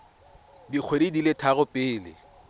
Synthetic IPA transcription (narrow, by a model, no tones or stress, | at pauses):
dik͡xʰwedidilɪtʰaɣʊpʼɪːlɪ̰